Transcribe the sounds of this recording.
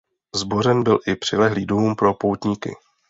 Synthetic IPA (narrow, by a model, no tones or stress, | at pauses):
zbo̞r̝ɛnbɪlʔɪpr̥ɪlɛɦliːduːmpɾo̞powt̪ɲikɪ̰